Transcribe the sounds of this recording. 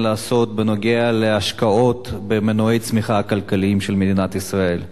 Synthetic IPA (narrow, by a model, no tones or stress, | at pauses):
laːso̞t̪̚beno̞ɡealeaʃkao̞t̪bemenoejt͡smiχakalkaliimʃelmed̪inat̪isʁae̞l